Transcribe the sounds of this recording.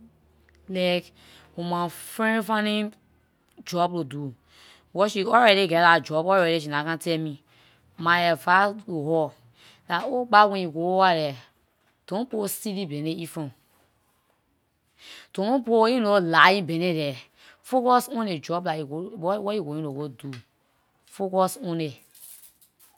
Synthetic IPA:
lɛk | omãfɾẽnfanĩ | d͡ʒɔb̚lodu | wɔʃiɔɾɛɾeɡɛdad͡ʒɔbɔɾɛɾeʃ̬inakãntɛmi | maɛvalohɔ | laoɡ͡bawɛ̃jiɡoowaɾɛ | tõposilibeneifõ | topoinolajĩbeneɾɛ | fokɔsõned͡ʒɔblaiwɔiɡojinowodu | fokɔsõne

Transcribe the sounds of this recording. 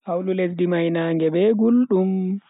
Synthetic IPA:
hawlulesdimajnaːŋɡɛɓɛɡulɗum

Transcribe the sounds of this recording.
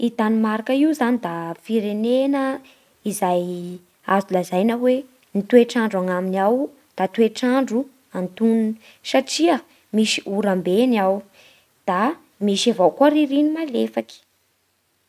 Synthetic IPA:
it̪animaɾakəiuzanid̪afiɾenenə | izaj | azulazajnawe | nit̪ueʈ͡ʂaɳɖ͡ʐaŋaminaw | d̪̥at̪ueʈ͡ʂaɳɖ͡ʐu | ant̪unn | saʈ͡ʂiə | misiʔuɾambeniaw | d̪̥a | miʃavawkuəɾiɾinimalefaki̥

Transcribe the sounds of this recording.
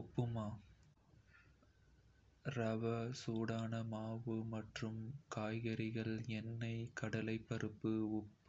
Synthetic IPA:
ʊpːɯmaː | ɾɐʋɐsuːɽaːnɐmaːʋɯmɐʈrɯmkaːjɣɐɾɪɣɐɭɛnːɐɪkɐɽɐlɐɪpːɐɾɯpːɯʊpːɯ

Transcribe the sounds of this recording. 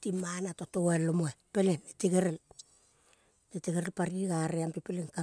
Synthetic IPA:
timanatotoelːomoepeleneteɡeɾel | eteɡeɾelpaɾiɡaɾeampepeleŋka

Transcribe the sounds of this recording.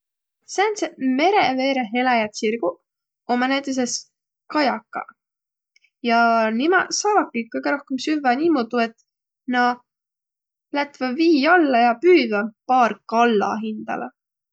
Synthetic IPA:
sænseme̞ɾeve̞ːɾeɦe̞lɑjɑt̪sirɡ̥u | o̞mɑnæjt̪ːˑes̬e̞s | kɑjɑkːɑ̰ | jɑnimɑsɑːvɑkːˑikːɤjɡ̥eɾo̞hkemsyvɑnʲimud̪ue̞t̪ | nɑ | læt̪vɑviːɑlːɑjɑpyːvɑpɑːrkɑlːɑ̰ɦind̪̥ɑ̰le

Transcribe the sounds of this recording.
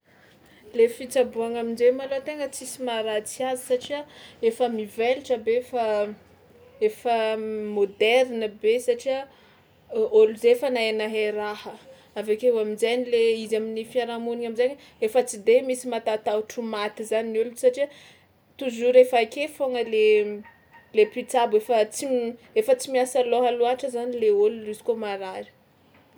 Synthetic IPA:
lefit͡sabuaŋaminzemalot̪eŋət͡sisimaɾat͡siazəsaʈ͡ʂiaefəmiveliʈ͡ʂəbefə | efəmod̪ɛɾnəbesaʈ͡ʂia | oluzeefənaenaɦeɾahə | avakeuaminzajnileizaminifiaɾamuniŋaminzaɲ | efət͡sid̪emisimat̪at̪auʈ͡ʂumat̪izaninulusaʈ͡ʂiə | t̪uzuɾefakefoŋəle | lepit͡sabefət͡si | efət͡simiasaloɦaluaʈ͡ʂəzanileolulizi̥komaɾaɾi̥

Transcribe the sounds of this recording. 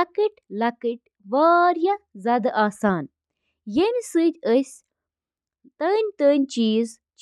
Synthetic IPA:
ɐkɨʈʲlɐkɨʈʲ | ʋaːɾjɐzaːd̪ɐʔaːsaːn | jemʲisɨd̪ʲəsʲ | t̪əːnʲt̪əːnʲt͡ʃiːz | t͡ʃ

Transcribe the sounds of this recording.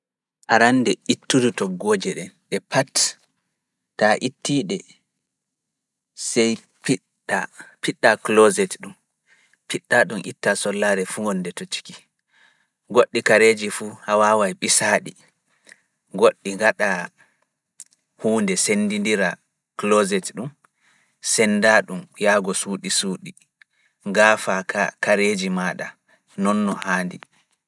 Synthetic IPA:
ʔaɾanːdɛʔitːudutɔɡːoːd͡ʒɛɗɛnɗɛpʰat | taʔitːiɗɛ | sɛj | piɗ | apiɗːaklozɛtɗum | piɗːaɗumʔḭtːasɔlːaɾɛfuŋɡɔnːdɛtot͡ʃi̥ki̥ | ɡoɗːikaɾeːd͡ʒifuhawawajɓisaɗi | ɡoɗːiŋɡaɗa | huːndɛsenːdindiɾa | klɔzɛtɗum | sɛnːdaɗumjaɡɔsuːɗisuːɗi | ɡaːfakʰakaɾeːd͡ʒimaːɗa | nɔnːɔhaːndi

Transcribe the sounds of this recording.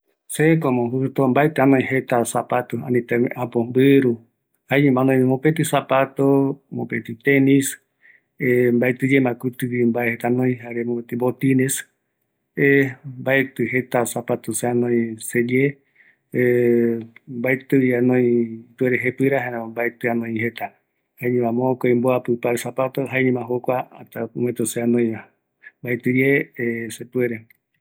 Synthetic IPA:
sekomõɦut̪ombaet̪ɨãnõĩɦet̪asapat̪oã̰nĩt̪emẽʔãpombɨɾu | haɲẽmãnõj̃mõpet̪̬ɨsapat̪omõ̰pet̪it̪enis | embaet̪ɨd͡ʒemãkut̪ɨwimbaehet̪anõĩɦaɾemõpet̪ibot̪ines | embaet̪ɨɦet̪asapat̪oseanõĩsed͡ʒe | mbaet̪ɨanõĩt̪ueɾeɦepɨɾahaɾãmbaet̪ɨanõĩɦet̪a | haeɲẽmãmõkoimboapɨpaɾsapat̪oɦaeɲẽmãɦokʷaa̰t̪auwẽt̪oseanõj̃ã | mbaet̪ɨjeesep̪ueɾe

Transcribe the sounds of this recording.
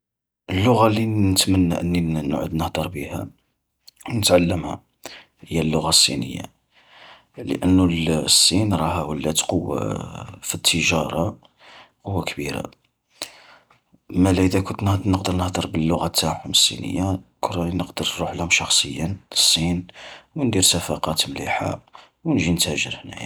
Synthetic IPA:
ʔəlːʊɣalinət̪mənːa̰ʔənːin̰ʕʊ̰d̪nəhd̪əɾˤbihæ̰ | wnət̪ʕalːəmhæ̰ | həjːælːʊɣasːḭnə̰jːa̰ | lə̰ʔənːulsːinɾˤɑɦæwəlːæt̪qowːa̰fit̪ʰːəʒɑɾˤɑ | qʊwːakbiɾa̰ | mælæəd̪ækʊnt̪nənəqd̪əɾˤnəhd̪ˤəɾˤbəlːʊɣæt̪ːaʕhʊməsˤːḭnə̰jːakʰʊrˤːɑinəqd̪əɾnɾuħlhʊmʃɑxsˤəjːənləsˤːinwənd̪iɾsæfɑqɑt̪mlḭħa̰ | wnʒint̪æʒəɾhnæ̰j

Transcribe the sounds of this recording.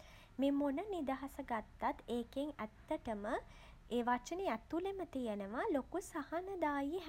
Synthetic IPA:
memonənid̪aɦasəɡat̪ːat̪eːkeŋæt̪ːəʈəmə | eːʋart͡ʃəneæt̪ulemət̪ijenəʋalokusahanəd̪aːjiɦ

